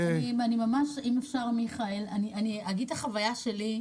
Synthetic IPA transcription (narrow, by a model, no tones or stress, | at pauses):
animanimamaʃimefʃaʁmiχaelaniʔaniaɡid̪̚aχavajaʃe̞li